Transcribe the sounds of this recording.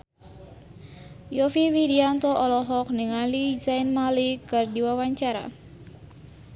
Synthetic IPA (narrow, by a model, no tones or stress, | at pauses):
jɔfiwidiant̪ɔʔɔlɔɦɔk̚niŋalizainmalikɨrdiwawaɲt͡ʃaɾa̰